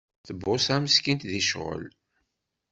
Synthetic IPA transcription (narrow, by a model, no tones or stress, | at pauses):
θəbːʊsæməskint̪ðiʃʁə̰l